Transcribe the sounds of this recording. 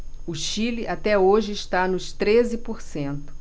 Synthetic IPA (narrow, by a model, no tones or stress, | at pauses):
ʊʃilɪʔat̪ɛoʒɪɪʃt̪anʊst̪ɾezɪpoɾsẽnt̪ʊ̥